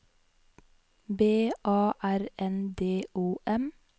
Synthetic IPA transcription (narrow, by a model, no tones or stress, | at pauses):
beːʔɑːʔæɾɛnd̪eːʔuːʔɛm